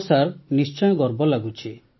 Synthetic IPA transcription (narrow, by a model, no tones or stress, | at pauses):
saɾnist͡ʃɔjɔɡɔɾbɔlaɡut͡ʃʰi